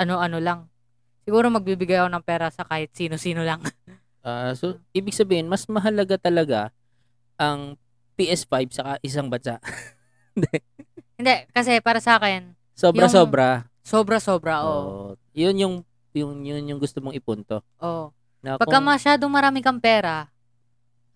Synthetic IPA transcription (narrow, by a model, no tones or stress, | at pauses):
ʔɐno̞ʔɐno̞lɐŋ | sɪɡuːɾo̞mɐɡ̚bibɪɡajɐkonɐŋpɛːɾɐsɐkaːhɪt̪̚siːno̞siːno̞lɐŋ | ʔasoʔiːbɪɡ̚sɐbiːhɪnmɐsmɐɦɐlɐɡat̪ɐlɐɡa | ʔɐŋ | piʔɛsfajb̚sɐkaʔɪs̬aŋbɐnsaʔ | nd̪ɛ | hɪnd̪ɛkɐs̬ɛpaːɾɐsɐʔaːkɪn | soːbɾɐsoːbɾɐ | soːbɾɐso̞ːbɾɐʔoʔ | jonjʊŋ | jʊŋjʊnjʊŋɡʊst̪omoŋɪpunt̪o̞ʔo | nɐpɐɡkamɐʃaːd̪oŋmɐɾaːmɪkɐŋpɛːɾɐ